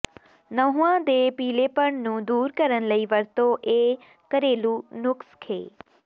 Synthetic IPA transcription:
nəɦũːãːd̪eːpiːleːpəɳnũːd̪uːɾkəɾənləiːʋəɾt̪õːʔeː | kəɾeːluːnʊkskʰḛː

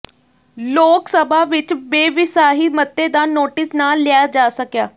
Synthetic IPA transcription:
loksəbʱaʋit͡ʃbeʋisaɦimət̪ːed̪anːoʈisnaljad͡ʑasəkja

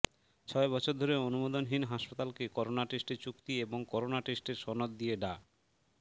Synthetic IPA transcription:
t͡ɕʰɔebɔt͡ɕʰoɾd̪ʱoɾeonumod̪onɦinɦaʃpat̪alkekɔɾonaʈeʃʈet͡ɕukt̪ieboŋkɔɾonaʈesʈeɾʃɔnod̪d̪ijeɖa

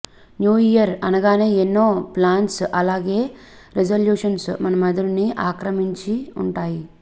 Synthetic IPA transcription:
njuːijɐɾɐnɐɡaːne̞ːenːo̞ːplaːnsɐlaːɡe̞ː | ɾed͡ʒɐljuːʂɐnsmɐnɐmɐd̪ɐɽuniaːkɾɐmiɲt͡ʃiuɳʈaːji

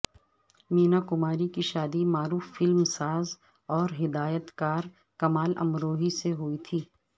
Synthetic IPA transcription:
miːnakʊmaːɾikiʃaːd̪imaːɾuːfːɪlmsaːz | ɔːɾɦɪd̪aːjət̪kaːɾ | kɐmaːlɐ̰mɾoːɦiseɦʊit̪ʰiː

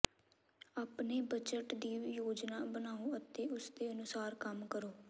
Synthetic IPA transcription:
aːpneːbət͡ʃəʈd̪iːjoːd͡ʒnaːbənaːõːət̪eːʊsd̪eːənʊsaːɾkəmkəɾoː

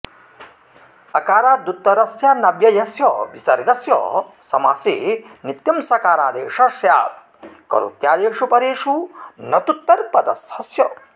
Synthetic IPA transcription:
ɐkaːɾaːd̪ut̪ːɐɾɐsjaːnɐbjɐjɐsjɐbisɐɾɡɐsjɔ̰ | sɐmaːsḛːnit̪jɐmsɐkaːɾaːd̪eːʂɐʃja̰ːt̪̚ | kɐ̰ɾṵt̪jaːd̪eːʂupɐɾeːʂunɐt̪ut̪ːɐɾpɐd̪ɐshɐsjɐ

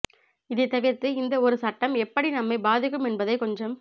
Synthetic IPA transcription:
ɪðɐɪt̪ːɐʋɪɾt̪ɯɪnd̪ɐɔɾɯsɐʈːɐmɛpːɐɽinɐmːɐɪbaːðɪkːɯmɛnbɐðɐɪkɔɲd͡ʒɐm

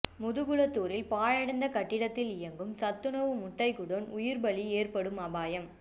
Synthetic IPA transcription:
mʊðɯɣʊɭɐt̪ːuːɾɪlpaːɻɐɽɐnd̪ɐkɐʈːɪɽɐt̪ːɪlɪjɐŋɡɯmsɐt̪ːɯnɐʋɯmʊʈːɐɪkʊɽonʊjɪɾbɐlieːrpɐɽɯmɐbaːjɐm

